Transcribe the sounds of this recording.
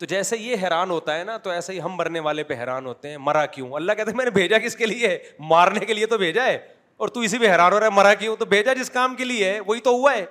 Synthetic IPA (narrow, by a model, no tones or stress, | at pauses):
t̪oːd͡ʒɛːseijeɦɛːɾaːnɦoːt̪aɦɛnat̪oɛːseiɦɐmbɐɾneʋaːlepeɦɛːɾaːnɦoːt̪eɦɛ̃ːmɐɾakjũːɐlːakɛɦːt̪eɛmɛ̃ːnebʱeːd͡ʒakɪskelie | maːɾnekeliet̪obʱeːd͡ʒaɛː | ɔːɾt̪ũɪs̬ipeɦɛːɾaːnɦoːɾaːɦɛmɐɾak̬jũt̪obʱeːd͡ʒad͡ʒɪskaːmkelieɦɛʋoːɦit̪oɦʊaɦɛː